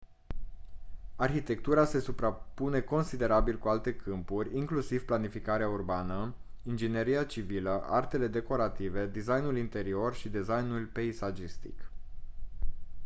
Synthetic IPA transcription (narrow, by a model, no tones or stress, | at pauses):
arçit̪e̞k̚t̪uɾase̞supɾapune̞ko̞nsid̪e̞ɾabilkualt̪e̞kʰɨmpurʲiŋklusiv̥planifikaɾeaurbanə | ind͡ʒine̞ɾijat͡ʃiviləʔart̪e̞le̞d̪e̞ko̞ɾat̪ive̞d̪izajnulint̪e̞ɾio̞rʃid̪izajnulpe̞izad͡ʒist̪ḭk